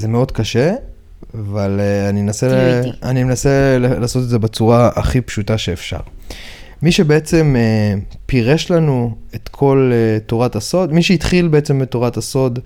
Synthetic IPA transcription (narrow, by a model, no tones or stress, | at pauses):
zemeo̞d̪kaʃe | avaleanimenaseanimenasellaːso̞t̪̬edzebet͡suʁaʔa̰χipʃutaʃe̞ːfʃa̰ʁmiʃe̞be̞et͡se̞mepiʁeʃlanuet̪kʰo̞letoʁataso̞dmiʃeit̪χilbeet͡sembetoʁataso̞d